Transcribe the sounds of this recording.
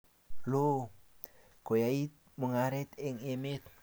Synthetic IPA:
lo | kojait̪̚ | muŋaɾɛt̪eŋemet̪

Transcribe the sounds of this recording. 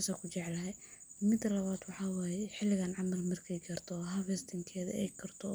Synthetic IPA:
asaːkʰʊt͡ʃɛʕlɐɦɛmɪd̪lɐβaːd̪wɑħɑːwaːjɛħɪlːɪɣaːnʕɑmɐlmɐrkʰɛjɡɐrt̪ʰɔɦɐvɛst̪ʰɪŋkʰɛːðɐ̰ɛ̰jkʰɐrt̪ʰɔ

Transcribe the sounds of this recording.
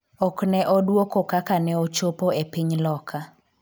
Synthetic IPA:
ɔknɛʔɔdwokokakanɛot͡ʃopoepiɲlɔkʰa

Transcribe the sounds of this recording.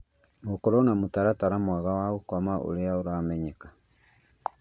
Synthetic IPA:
mokɔɾɔnamotaɾataɾamwaɣawaokwamaʔo̰ɾeaoɾamɛɲɛkḁ

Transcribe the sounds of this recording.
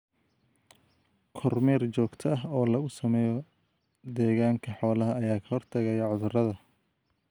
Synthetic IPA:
kʰɔrmɛːrt͡ʃɔːɡt̪ʰɐɐɦɔːlɐɣʊsɐmɛːjɔ | d̪ɛːɣaːŋkʰɐħɔːlɐɦɐɐjaːkʰɐ̥hɔrt̪ʰɐɣɛjɐʕʊðʊrɐðɐ

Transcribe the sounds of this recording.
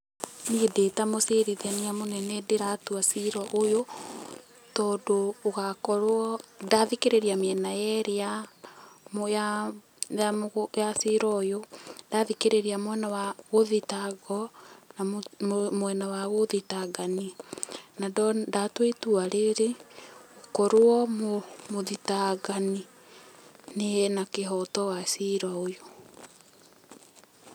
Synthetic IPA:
niedetamoseɾiðianiamonɛnɛdeɾatuasiɾɔʔojo | tɔːdoːɣakɔɾwɔdaðikeɾeɾiamiɛnajɛɾeja | mja | jajasiɾɔjodaðikeɾeɾiamwɛnawaɣoðitaɡɔnamwɛnawaɣoðitaɡaninadɔdatwetuaɾeɾeokɔɾoɔmomoðitaɡani | nenakeɦɔtɔwasiɾɔojo

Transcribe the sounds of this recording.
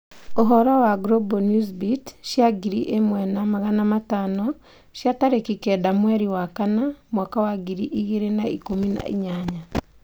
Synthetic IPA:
oɦɔɾawaɡɾɔbɔnuzbitʃjaɡiɾiʔemwɛnamaɣanamatanɔ | ʃjataɾekikɛdamwɛɾiwakanamwakawaɡiɾiʔiɣeɾenaikomina̰ʔḭɲaɲa

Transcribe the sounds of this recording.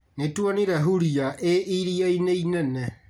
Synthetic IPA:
netuaniɾɛɦuɾiaʔeʔiɾiaineinɛnɛ

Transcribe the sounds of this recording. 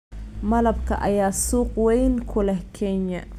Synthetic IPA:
mɐlɐbkʰɐ̰ʔɐ̰jaːsuːqwɛjnkʰʊlɛhkʰɛɲɐ

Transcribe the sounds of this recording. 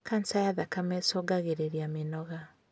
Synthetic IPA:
kansajaðakamɛsoɡaɣeɾeɾiamenɔɣa

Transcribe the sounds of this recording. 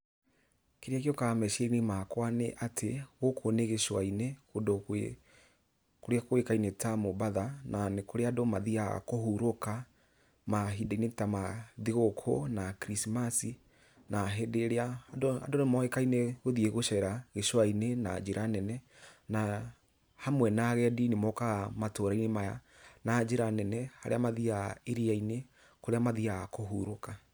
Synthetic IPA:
keɾiakjokamɛʃenimakwaneʔatʰeɣokʰoneɣeʃwaineɣodo | koɾeakoekainetamobaðanʔanekoɾeadomaðiaa̰kohuɾoka | maɦidainetamaðiɣokʰonakɾismasi | naɦedeɾeaːdoa̰donemɔekaineɣoðieɣoʃɛɾaɣeʃwainena̰d͡ʒeɾʔanɛnɛna | hamwɛnaɣɛɛdinemɔkaɣamatoɾainemaja̰ | nad͡ʒeɾanɛnɛha̰ɾḛamaðiaeɾiaine | koɾeamaðiakoɦuɾoka

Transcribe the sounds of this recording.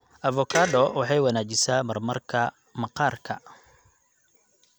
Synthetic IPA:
ʔɐvɔkʰaːdɔwɑħɑjwɑnaːt͡ʃɪsaːmɐrmɐrkʰɐ | mɐqɑːrkʰɐ

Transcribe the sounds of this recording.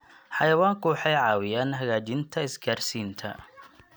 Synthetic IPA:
ħɑjɐwaːŋkʰʊwɑħɑjʕɑːwɪjaːnɦɐɣaːt͡ʃɪnt̪ʰɐɪsɡaːrsiːnt̪ʰɐ̰

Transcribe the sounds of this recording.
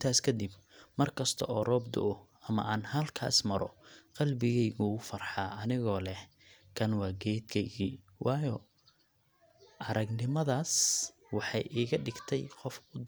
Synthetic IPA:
ɪnt̪ʰaːskʰɐd̪ɪb | mɐrkʰɐst̪ʰɔ̰ʔɔːrɔːbd̪ʊ̰ʔʊ | ɐmɐ̰ʔaːnhɐlkʰa̰ːsmɐɾɔqɑlbɪɣɛjɣʊːfɐrħaːɐnɪɣɔːlɛh | kʰɐnwɑːɡɛːd̪kʰɛɣiːwʔɑːjɔ | ʔɐɾɐɡnɪmɐðaːs | wɑħɑjʔiːɣɐɖɪɡt̪ʰɛjqɔfʊ

